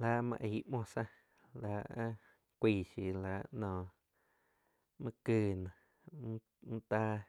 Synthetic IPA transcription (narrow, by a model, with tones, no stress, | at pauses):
laː˧˨mã̰˧ʔi˨˧˦ʔmõ˧˨sã˦˧ | la˨ã˦ | kʷiː˧˨ʃi˧˨la˨nɔ̃ː˨ | mã˧˦kɨː˧nã˨˦ | n̩˦t̪aː˦